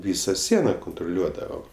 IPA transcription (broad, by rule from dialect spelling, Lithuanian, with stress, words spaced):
ˈʋʲiːsɐ ˈsʲiɛnɐ kʊntrʊˈlʲuɔdɐʋoːm